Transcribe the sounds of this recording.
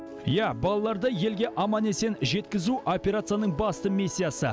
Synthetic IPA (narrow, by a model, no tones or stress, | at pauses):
jæbɑlˠɑlˠɑɾd̪ɑje̞lɡʲe̞ʔɑmɑne̞se̞nʒe̞t̪̚kʲɪzuʔo̞pʲe̞ɾat̪sɨjanəɴbɑst̪əmisʲːijasə̰